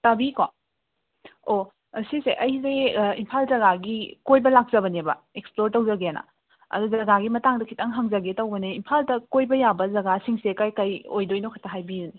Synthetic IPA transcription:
tabiko | o | siseʔɐjzeimpʰalzɐɡaɡikojbɐlak̚z̥ɐbɐnebɐ̰eksploɾtɐwzɐɡeanɐ̰ | ɐ̰duzɐɡaɡimɐtaŋdɐkʰitɐŋɦɐŋzɐɡetɐwbɐneimpʰaldɐkojbɐjabɐzɐɡasiŋsekajkajojdojnokʰɐtɐɦajbiuni

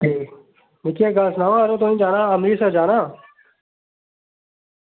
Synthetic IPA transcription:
e | mɪkeːɡaːsnaːʋãɾoːt̪oːnĩːd͡ʒaːnãːəmɾiːseːd͡ʒaːnaː

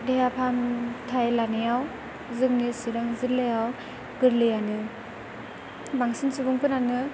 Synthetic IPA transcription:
dejapʰamtʰajlanɯjaw | zɯŋnisiɾaŋziɾlɯjaw | ɡɯɾlɯjanɯ | baŋsinsibuŋpʰɯnanɯ

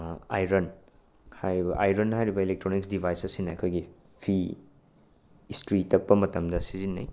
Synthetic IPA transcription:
ajɾɐn | hajɾibɐʔajɾɐnɦajɾibɐilek̚tɾoniksdibʱajsɐsinɐɐkʰojɡi | pʰi | stɾitɐpːɐmɐtɐmdɐsizinːɐ̰j

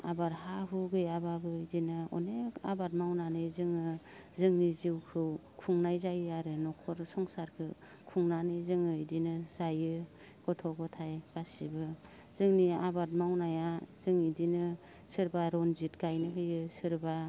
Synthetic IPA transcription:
a̰baɾhaɦuɡɯjababɯdinɯɔ̰nea̰bat̚mawnanɯjzɯŋɯ | zɯŋniziwkʰɯwkʰuŋnajzajɯaɾɯnɔkʰɔɾsɔŋsaɾkʰɯ | kʰuŋnanɯjzɯŋɯidinɯzajɯ | ɡ̥ɔtʰɔɡɔtʰajɡ̥asibɯ | z̥ɯŋniabat̚mawnajazɯŋidinɯ | sɯɾbaɾɔnzitɡajnɯɦɯjɯsɯɾba

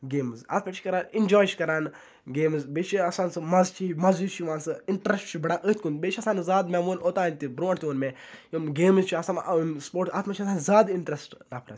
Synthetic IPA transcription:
ɡeːmza̰ːt̪ʰmat͡ʃʰi̥kɐɾaːnind͡ʒɔːjt͡ʃʰi̥kɐɾaːn | ɡeːmzbeːt͡ʃʰiɐsaːnsɨmɐzt͡ʃʰimɐzuːt͡ʃʰiʋãːnsɨɪɳʈɾesʈt͡ʃʰubɐɽaʔət̪ʰʲkũnbeːt͡ʃʰɐsaːnzaːd̪mɛmuːnoːt̪aːnt̪ibɾoːʈt̪ʲoːnmẽ | jomɡeːmzt͡ʃʰiɐsanspoːʈaːt̪mat͡ʃʰiɐsaːnzaːd̪ɪɳʈɾesʈɾaːpʰɾɐ̰s

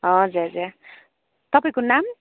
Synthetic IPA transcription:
ɦʌ̃d͡zuɾɦʌd͡zur | t̪ʌpaĩkonam

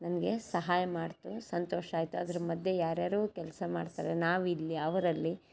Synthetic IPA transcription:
nɐnɐɡe̞sɐɦaːjɐmaːɖt̪usɐnt̪oːʃaːjt̪uɐd̪ɐɾɐmɐd̪jejaːɾjaːɾɐʋuːkɛlsɐmaːɖt̪a̰ːɾenaːʋilːiɐʋɐɾɐlːi

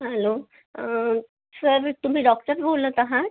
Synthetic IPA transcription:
ɦəlo | səɾt̪um̤iːɖɔk̚ʈəɾbʱoləːk̪aɦat̪

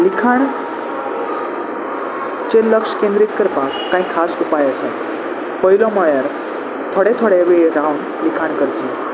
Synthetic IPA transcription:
likʰaɳ | t͡ɕeləkʂkẽnd̪ɾit̪kəɾpa | kːãĩkʰasupajəsẽ | pəɦilɔmɔɭjaɾ | t̪ʰoɽet̪ʰoɽeʋeɾaun | likʰaɳkəɾt͡ɕi

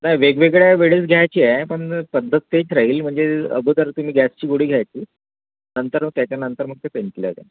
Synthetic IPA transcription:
najʋeɡʋeɡɭjaʋeɽisɡʱjajt͡ɕiːɛpəɳpəd̪ʱːət̪ːet͡sɾaɦiːlm̤əɳd͡zeə̰ɡʱud̪əɾt̪um̤iːɡæst͡ɕiːɡoɽ̤iːɡʱjajtiː | nənt̪əɾt̪jat͡ɕjanənt̪əɾm̤ət̪ːepenʈlja̰t̪ḛ

